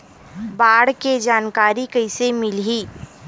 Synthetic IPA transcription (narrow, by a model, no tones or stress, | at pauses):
baːɽked͡ʒaːnkaːɾikɐɪsemɪlɦiː